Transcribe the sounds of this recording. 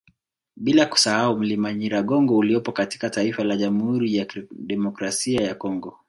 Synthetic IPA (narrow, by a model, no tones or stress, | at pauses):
ɓilaku̥sahaum̩limaɲiɾaɠɔŋɡɔuliɔpɔkati̥kataifalaʄamhuɾijaɗɛmɔkɾasiajakɔŋɡɔ